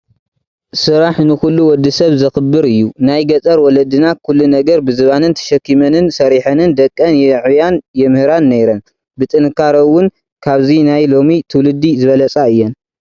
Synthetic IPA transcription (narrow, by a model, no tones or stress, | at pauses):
sɨɾaħnɨxulːuwɔd̪ːɨsɐβzɐxɨbːɨɾɨjːunajɡɐt͡sʼɐɾwɔlɐd̪ɨnakʰulːunɐɡɐɾbɨzɨβanɨnt̪ʰɐ̥ʃɐkːimɐnɨnsɐɾiħɐnɨnd̪ɐkʼːɐnjɛʕujanjɛmɨhɨɾanːejɾɐn | bɨt̪ʼɨnkʰaɾowːʊn | kʰaβzinajlo̞mit̪ʰɨwlɨd̪ːizɨβɐlɐt͡sʼaɨjːɛn